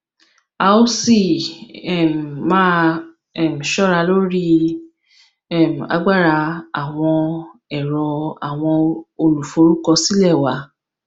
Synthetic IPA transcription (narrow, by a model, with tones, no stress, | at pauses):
a˧o˦si˦˨ɛ˦˨m˨mãː˦ | ɛ˦˨m̩˨ʃɔ˦ɾa˧lo˦ɾi˦ | ɛ˨m̩˨a̰˧ɡ͡ba˦˨ɾa˧a˨w̃ɔ̃˧ɛ˨ɾɔ˧a˨w̃ɔ̃˧o˧lu˨fo˨˦ɾu˦kɔ˧si˦lɛ˦˨wa˨˦